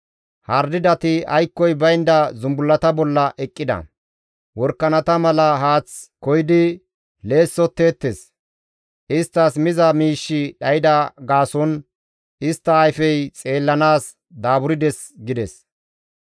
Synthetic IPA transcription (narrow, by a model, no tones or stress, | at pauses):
hɐɾd̪ɪd̪ɐt̪ɪɐjkːɔjbɐjnd̪ɐzʊmbʊlːɐt̪ɐbɔlːɐʔɛkʼːɪd̪ɐ̰ | wɔɾkːɐnɐt̪ɐmɐlɐɦaːt͡skɔjɪd̪ɪ | le̞ːsːɔt̪ːe̞ːt̪ːes | ʔɪst̪ːɐsmɪzɐmiːʃːɪɗɐjɪd̪ɐɡaːsɔn | ɪst̪ːɐɐjfɛjt͡sʼe̞ːlːɐnaːs | d̪aːbʊɾɪd̪ɛs | ɡɪd̪ɛs